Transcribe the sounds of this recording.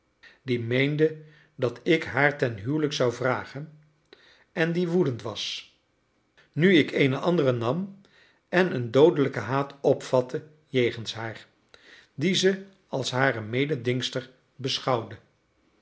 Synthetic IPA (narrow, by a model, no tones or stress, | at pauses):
dimejndə | dɑtɪkɦaːɹtɛnɦywləksɑwvraːχən | ɛndiʋudəntʋɑs | nyɪkejnəʔɑndərənɑm | ɛnəndowdələkəɦaːtʰɔpfɑtʰə | jejχənsɦaːɹ | dizə | ɑlˠsɦaːrəmejdədɪŋstəɹ | bəsχɑwdə